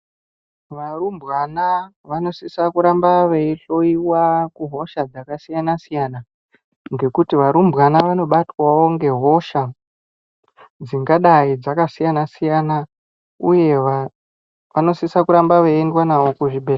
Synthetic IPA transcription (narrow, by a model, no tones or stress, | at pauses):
ʋarumbɣanaʋano̞sisakuɾambaʋeiɬo̞iwakuɦo̞ʃad͡zakasijanasijana | ŋɡe̞kutiʋaɾumbɣanaʋano̞ɓatwawo̞ŋɡe̞ɦo̞ʃa | d͡ziŋɡaɗaid͡zakasijanasijana | uje̞ | ʋano̞sisakuɾambaʋeendwanawo̞kuʐibʱe